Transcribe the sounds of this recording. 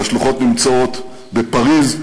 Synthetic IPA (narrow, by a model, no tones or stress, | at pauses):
aʃluχo̞t̪nimt͡soo̞t̪ | bepaʁiz